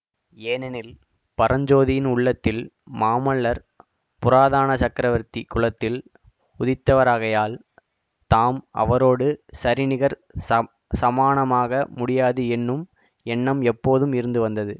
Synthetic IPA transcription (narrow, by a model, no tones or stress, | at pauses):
eːnɛnɪl | pɐɾɐɲd͡ʒoːðɪjɪnʊɭːɐt̪ːɪlmaːmɐɭːɐɾ | pʊɾaːðaːnɐt͡ʃɐkɾɐʋɐɾt̪ikʊɭɐt̪ːɪl | ʊðɪt̪ːɐʋɐɾaːɣɐjaːl | t̪aːmɐ̰ʋɐɾoːɽɯsɐɾɪnɪɣɐɾ | sɐmaːɳɐmaːɣɐmʊɽɪjaːðɯɛnːɯm | ɛnːɐmɛpːoːðɯmɪɾɯnd̪ɯʋɐnd̪ɐðɯ